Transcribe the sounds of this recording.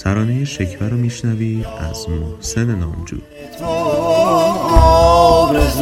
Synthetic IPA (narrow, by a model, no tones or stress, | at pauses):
t̪ʰæɾɒːne̞jeʃecʰvæɾɒːmiːʃnæviːd̪æ̰zmohse̞ne̞nɒːmd͡ʒṵː